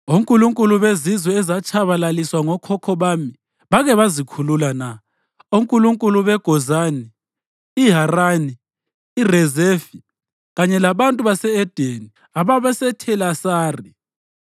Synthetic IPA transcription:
oŋkʼuluŋkʼuluβezizwɛɛzat͡ʃʰʼaβalaliswaŋɔkʰɔkʰɔβami | βaɣɛβazikʰululana | oŋkʼuluŋkʼuluβɛɡ̥ʱɔzaniː | ɦaraniː | rɛzefi | ɣaɲɛlaβantʼuβasɛɛd̥ʱeni | aβaβɛsɛtʰɛlasaːri

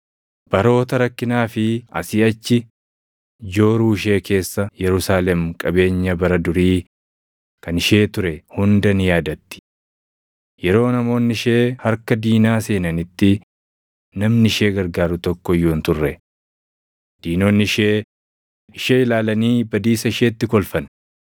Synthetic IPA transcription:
b̥ɐɾo̞ːt̪ɐɾɐkːɪnaːfɪɐ̰sɪɐt͡ʃːɪ | d͡ʒo̞ːɾuːɪʃ̬e̞ːke̞ːsːɐjɛɾʊsaːlɛmkʼɐbe̞ːɲːɐbɐɾɐd̪ʊɾiː | kɐnɪʃe̞ːt̪ʊɾɛhʊnd̪ɐnɪjaːd̪ɐt̪ːɪ̥ | jɛɾo̞ːnɐmo̞ːnːɪʃe̞ːhɐɾkɐd̪iːnaːse̞ːnɐnɪt̪ːɪ | nɐmnɪʃe̞ːɡɐɾɡaːɾʊt̪ɔkːɔjːoːnt̪ʊrːɛ | d̪̥iːno̞ːnːɪʃeː | ɪʃeːɪlaːlɐniːbɐd̪iːsɐɪʃeːt̪ːɪkɔlfɐn

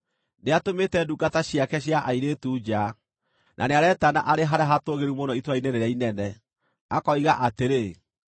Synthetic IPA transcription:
neatometɛduɡataɕiakɛɕ̬jaʔaiɾeːtuːd͡ʑa | nʔa̰neaɾɛtana̰ʔaɾeɦaɾaɦatoɣeɾumonɔitwainɛnɛɾainɛnɛ | akɔiɣaʔateɾe

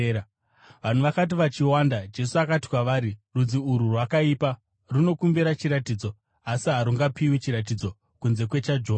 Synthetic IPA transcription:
ʋan̤uʋakat̬iʋat͡ʃiwandad͡ʒe̞suakati̥kwaʋaːɾirud͡ziuɾurwakaiːpa | runo̞kumbiɾat͡ʃiɾatiːd͡zo̞ | asiɦaɾuŋɡapiwit͡ʃiɾat̬id͡zo̞ | kunze̞kwe̞t͡ʃad͡ʒo

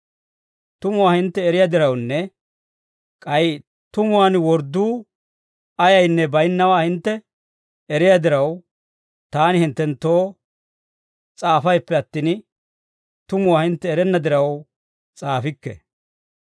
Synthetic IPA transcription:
t̪ʊmʊwaːhɪnt̪ːɛːɾɪjad̪ɪɾɐwnːɛ | kʼɐj | t̪ʊmʊwaːnwɔɾd̪uː | ɐjɐjnːɛbɐjnːɐwaːhɪnt̪ːɛ | ɛɾɪjɐd̪ɪɾɐw | t̪aːnɪhɪnt̪ːɛnt̪ːo̞ː | t͡sʼaːfɐjpːɛɐt̪ːɪn | t̪ʊmʊwaːhɪnt̪ːɛːɾɛnːɐd̪ɪɾɐw | t͡sʼaːfɪkːɛ̰

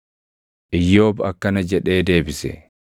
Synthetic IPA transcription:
ʔɪjːo̞ːbɐkːɐnɐd͡ʒɛᶑe̞ːd̪e̞ːbɪsɛ̰

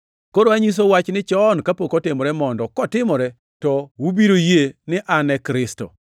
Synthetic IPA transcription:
koɾoaɲis̬owat͡ʃnɪt͡ʃɔnkapokɔtɪmɔɾɛmɔndɔkɔtɪmɔɾɛ | tɔwubiɾojenɪʔanɛkɾɪsto̰

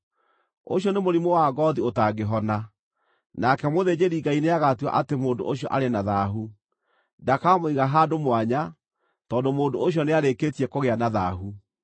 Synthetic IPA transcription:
o̰ɕjɔnemoɾimowaɡɔðiotaɡeɦɔna | nakɛmoðed͡ʑeɾiɡaineaɣatiwa̰ʔatemoːndo̰ʔoɕiɔʔaɾenaðaɦu | ndakamoiɣaɦaːdomowaɲa | tɔːndomoːndooɕijɔneaɾeketiɛkoɣeanaða̰ɦu

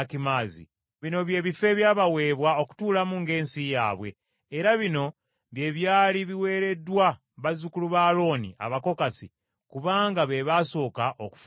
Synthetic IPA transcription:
kimaːzḭ | βino̞βje̞ːβife̞βjaːβawe̞ːβwao̞ku̥tuːlamuŋɡe̞ːnsija̰ːβwe̞̰ː | ɾaβino̞ | βje̞ːβjaːliβiwe̞ːɾe̞dwa | βazukuluβaːlo̞ːnḭʔa̰βako̞kasḭ | kuβaːŋɡaβe̞βaso̞ːkaʔoku̥f

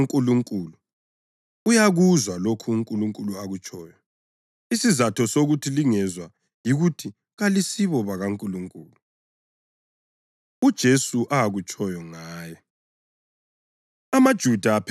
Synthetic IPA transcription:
ŋkʼuluŋkʼuːlu | ujaɣuzwalokʰuːŋkʼuluŋkʼuluaɣut͡ʃʼɔːjɔ | isizatʰɔsoɣutʰiliŋɛzwa | jiɣutʰi | ɣalisiβɔβaɣaŋkʼuluŋkʼuːlu | ud̥ʒ̥ʱesuʔaaɣut͡ʃʼɔjɔŋaːjɔ | amad̥ʒ̥ʱudʱaːpʰ

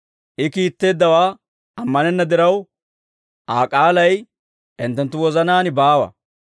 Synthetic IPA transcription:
ʔɪkiːt̪ːe̞ːd̪ːɐwaː | ɐmːɐnɛnːɐd̪ɪɾɐw | ʔaːkʼaːlɐj | ʔɪnt̪ːɛnt̪ːʊwɔzɐnaːnɪbaːwɐ̰

